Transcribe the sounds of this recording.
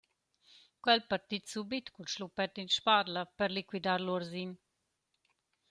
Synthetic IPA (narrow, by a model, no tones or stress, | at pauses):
kwɛlpaɾt̪it̪subit̪kut͡ʃlupɛt̪inʃparlapəɾlikwid̪aɾluɾzin